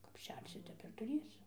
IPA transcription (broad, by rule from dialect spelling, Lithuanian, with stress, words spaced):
kɐp ˈʃʲɛrʲsʲɪ ˈtʲɛp ɪr tʊˈrʲeːsʲɪ